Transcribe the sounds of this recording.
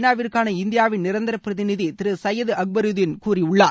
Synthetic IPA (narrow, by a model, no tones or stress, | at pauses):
naːʋɪɾkaːnɐɪnd̪ɪjaːʋɪnnɪɾɐnd̪ɐɾɐpːɾɐðɪnɪðit̪ɪɾɯsɐjɐðɯɐk̚bɐɾɯðɪnkuːriʊɭːaː